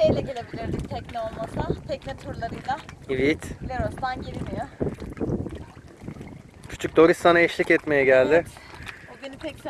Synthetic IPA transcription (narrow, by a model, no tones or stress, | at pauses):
ejlʲɛɟelʲebilʲiɾd̪int̪ʰɛcnʲɛolˠmasat̪ʰɛc̚nɛt̪ʰuɾlˠaɾɯjlˠaivit̪lʲeɾost̪anɟiɾimijo | cʰy̥t͡ʃʰyc̚d̪o̞ɾisːanaɛʃlʲicɛt̪me̞jɛɟælʲd̪ɪ | benipʰɛc